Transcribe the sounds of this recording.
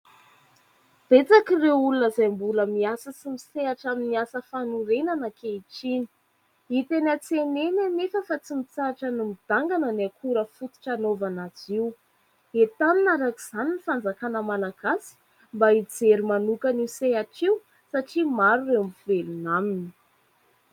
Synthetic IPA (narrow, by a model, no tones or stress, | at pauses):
b̥et͡sakirewulunəzajmbuləmiasət͡simiseaʈ͡ʂaminiasəfanuɾenanəkeiʈ͡ʂini̥ | it̪enat͡senenanefəfat͡simit͡saaʈ͡ʂənimid̪̥aŋɡanənakʰuɾəfut̪i̥ʈ͡ʂanovanaziw | et̪aninaɾakiz̥aninifand͡zakanəmalaɡ̥asi̥ | mbaid͡zeɾimanukaniuseɦaʈ͡ʂiu | saʈ͡ʂimaɾurewamvelunamini̥